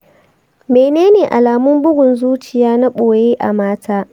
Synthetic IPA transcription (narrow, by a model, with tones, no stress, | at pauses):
meː˨neː˦neː˨ʔa˨laː˨mʊ˦mbʊ˦ɡʷʊ˨nzuː˦t͡ʃɪ˨jaː˦na˦ɓoː˨jeː˦ʔa̰˨maː˦tʰaː˦